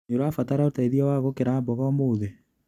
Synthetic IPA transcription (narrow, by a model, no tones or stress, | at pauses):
eɾwafataɾaotaiðiɔwaɣokeɾabɔɣɔmoːðe